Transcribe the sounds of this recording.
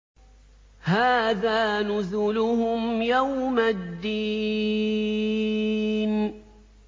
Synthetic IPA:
haːðaːnʊzʊlʊhʊmjawmad̪ːi | n

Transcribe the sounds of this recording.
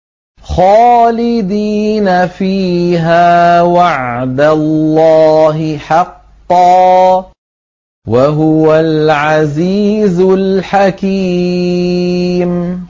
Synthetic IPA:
xɑːlɪd̪iːnafiːɦaːwaʕd̪alːɑːɦɪħɑqː | ɑː | waɦʊwalʕaziːzʊlħakiː | m

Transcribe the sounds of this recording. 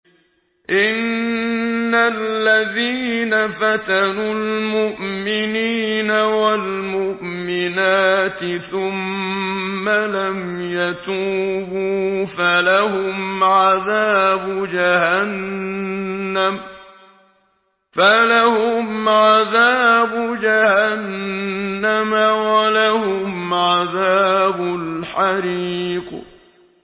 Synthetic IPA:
ʔɪnː | aːaðiːnafat̪anʊlmʊʔmɪniːnawalmʊʔmɪnaːt̪ɪθʊmː | alam | jat̪uːbuːfalahʊmʕaðaːbʊd͡ʒahanː | am | falahʊmʕaðaːbʊd͡ʒahanː | amawalahʊmʕaðaːbʊlħaɾiːq

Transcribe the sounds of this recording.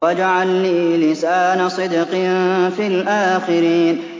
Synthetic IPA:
ad͡ʒaʕalniːlɪsaːnasˤɨd̪qɪnfilʔaːxɪɾiːn

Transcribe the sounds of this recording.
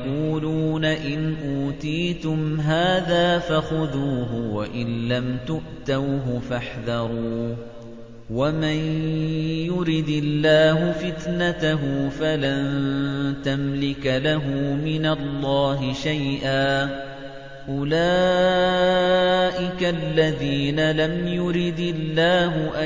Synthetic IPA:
quːluːnaʔɪnʔuːt̪iːt̪ʊmɦaːðaːfaxʊðuːɦʊwaʔɪnlamt̪ʊʔt̪awɦʊfaħðɑɾˤuː | waman | jʊɾɪd̪ɪlːaːɦʊfɪt̪nat̪aɦʊfalant̪amlɪkalaɦʊmɪnalːɑːɦɪʃajʔaː | ʔʊlaː | ʔɪkalːaðiːnalamjʊɾɪd̪ɪlːaːɦʊʔa

